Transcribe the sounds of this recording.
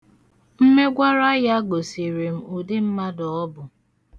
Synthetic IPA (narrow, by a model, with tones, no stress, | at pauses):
m̩˦me˦ɡʷa˦ɾa˦ja˦ɡo˨si˨ɾe˨m̩˨u˨dɪ˦m̩˦ma˦dɔ˨ɔ˦bʊ˨